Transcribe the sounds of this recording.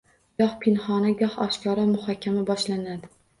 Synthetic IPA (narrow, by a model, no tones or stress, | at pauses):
ɡɒhpʰɪnχɒnaɡʲɒhɒʃkʰɒɾamʊhɒkʲʰːamabɒʃlanad̪ɪ